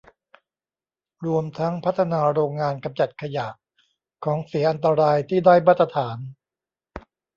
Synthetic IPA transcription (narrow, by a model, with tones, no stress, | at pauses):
ɾu˧əmt̪ʰa˦˥ŋpʰa˦˥t̪ʰːa˧naː˧ɾoː˧ŋːaː˧nka˧mt͡ɕa˨˩t̪̚kʰa˧ja˨˩ʔ | kʰːɔː˩˦ŋsi˨˩˦ʔa˧nt̪a˧ɾaː˧jt̪ʰiː˥˩daː˥˩jmaː˥˩t̪ʰːa˧t̪ʰaː˩˦n